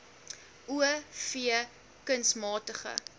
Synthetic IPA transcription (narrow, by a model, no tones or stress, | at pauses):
ʔuəfiə | kənsmɑːtəχə̰